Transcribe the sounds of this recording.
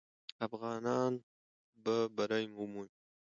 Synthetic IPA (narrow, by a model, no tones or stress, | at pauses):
afɣɑːnɑːn | babaɾajmumuj